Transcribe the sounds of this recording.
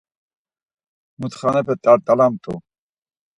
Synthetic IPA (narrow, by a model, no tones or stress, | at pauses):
mut̪χanɛpʰɛt̪ʼaɾt̪ʼalamt̪ʰʼṵ